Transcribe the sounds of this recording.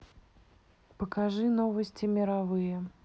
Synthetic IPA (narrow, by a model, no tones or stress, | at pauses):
pəkaʐɨnovəsʲtʲɪmʲɪɾavɨjə